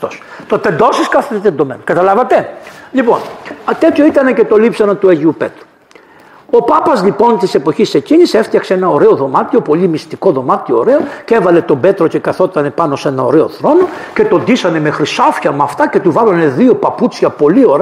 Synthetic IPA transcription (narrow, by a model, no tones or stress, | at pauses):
os | t̪ot̪e̞nd̪o̞siskɐθet̪end̪o̞menukɐt̪ɐlɐvɐt̪e̞lipo̞̰nɐt̪et̪ço̞it̪ɐne̞ce̞t̪o̞lipsɐnɐt̪ueʝiupe̞t̪ɾu̥ | o̞pɐpɐzlipo̞nt̪ise̞po̞çise̞cinise̞ft̪çɐkseenɐo̞ɾe̞o̞ðo̞mɐt̪io̞po̞limist̪iko̞ðo̞mɐt̪ioːɾe̞oce̞vɐle̞t̪o̞be̞t̪ɾo̞ce̞kɐθo̞t̪ɐne̞pɐno̞se̞nɐo̞ɾe̞o̞θɾo̞no̞ce̞t̪o̞nd̪isɐne̞mexɾisɐfçɐmɐft̪ɐce̞t̪uvɐlɐne̞ðio̞pɐput͡sçɐpo̞lio̞ɾe